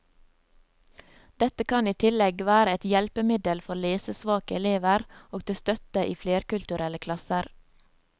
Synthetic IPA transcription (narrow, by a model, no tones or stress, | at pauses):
d̪̥ɛt̪əkʰɑniːt̪ʰɪlɛɡʋæːɾəɛt̪jɛlpəmɪd̪əlfɔɾleːsəsʋɑːkəɛleːʋəɾoːɡ̚t̪ʰɪst̪œt̪əʔiːfleːɾkʉlt̪ʉɾɛləkʰlɑsəɾ